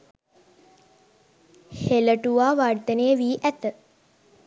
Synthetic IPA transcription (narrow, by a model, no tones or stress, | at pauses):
heləʈuʋaːʋard̪ənejəʋiːʔæt̪ə